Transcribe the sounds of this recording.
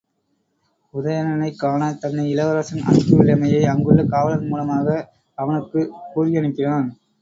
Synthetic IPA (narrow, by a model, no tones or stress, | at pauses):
ʊðɐjɐnɐnɐɪkːaːnɐt̪ɐnːɐɪɪlɐʋɐɾɐsɐnɐ̰nkːɯɪɭɐmɐjɐɪɐŋɡɯɭːɐkaːʋɐlɐnmuːlɐmaːɣɐ | ɐʋɐnɯkːɯkuːɾɪɐɳɪpːɪnaːn